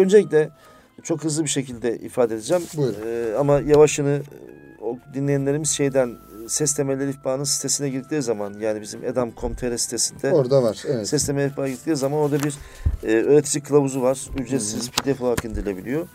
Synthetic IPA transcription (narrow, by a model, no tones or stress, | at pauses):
ø̞nd͡ʒelʲic̬ʲlʲɛ | t͡ʃʰo̞kɦɯzlˠɯbiʃe̞cilʲd̪ɛʔḭfaːd̪ed̪ed͡ʒɛmbuamajavaʃɯnɯod̪inlʲejænʲe̞ɾimiz̥ʃe̞jd̪æn | sɛst̪ʰe̞melʲeɾiifbaːnɯnsi̥t̪ʰe̞sinɛɟiɾd̪i̥ctlʲiːzamanjaːnibizimʔḛd̪amkʰo̞mt̪ʰeɾɛsi̥t̪ʰe̞sind̪ɛoɾd̪avaɾvɛsɛst̪ʰemelʲɛifpbaːɟiɾikt̪iːizamano̞ɾd̪abiɾː | øːɾet̪ʰid͡ʒikʰːɯlˠabuzuvaɾ̥yd͡ʒesizpʰid̪efolˠakɯnd̪iɾilʲe̞bilʲijo̞